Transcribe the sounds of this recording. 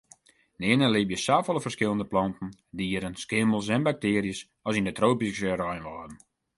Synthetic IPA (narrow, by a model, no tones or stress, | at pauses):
nɪənəlɪbjəsaːfɔlˠəfərskɪlˠəndəplɔntn̩diːəɾənskɪməlˠsɛnbak̚tɪːɾjəs | ɔsindətroːpikəɾɔjnʋɔːdn̩